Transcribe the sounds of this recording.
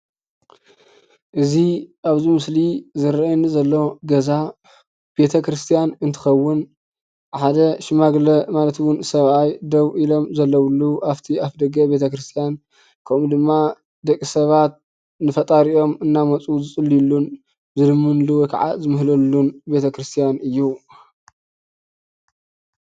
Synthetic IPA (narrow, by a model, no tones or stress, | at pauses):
ʔɨziʔaβzimɨslizɨɾɐnɨzɐlːo̞ɡɐza | b̥e̞t̪ʰɐkɾɨst̪ʰijanɨnt̪ʰɨ̥xɐwːʊn | ħad̪ɐʃɪmaɡlɐmalɐt̪wʊnsɐβʔajd̪ɐβʔilo̞mzɐlːɐwlːuʔaft̪ʰiafd̪ɐɡɐbe̞t̪ʰɐkɾɨst̪ʰijan | kʰɐmud̪ɨmːa | d̪ɐkʼːisɐβat̪̚ | nɨfɐt̪ʼaɾiʔo̞mɨnːamɐt͡sʼuzɨt͡sʼɨlːijlːun | zɨlɨmːɨnluwɔjkʰa̰ʕa̰zɨmɨɦlɐlːunbe̞t̪ʰɐkɾɨst̪ʰijanɨjːu